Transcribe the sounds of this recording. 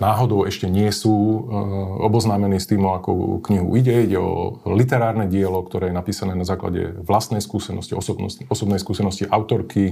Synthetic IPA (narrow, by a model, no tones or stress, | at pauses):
naːɦɔd̪ɔʊɛʃcɛɲɪɛsuː | ɔbɔznaːmɛniːst̪iːmɔakɔ̰kɲiɦṵiɟɛiɟɛɔ̰lit̪ɛɾaːɾnɛɟɪɛlɔkt̪ɔɾɛːjɛnapiːsanɛːnazaːkla̰ɟɛ̰ʋlast̪nɛjskuːsɛnɔsciɔsɔbnɔ̰sɔsɔbnɛjskuːsɛnɔsciʔaʊt̪ɔɾkʰi